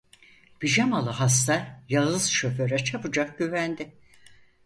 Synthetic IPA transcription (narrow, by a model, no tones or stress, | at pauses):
b̥id͡ʒamalˠɯɦas̬t̪aɾjaɯzʃøføɾɛt͡ʃʰapɯd͡ʒak̚ɟyvænd̪ɪ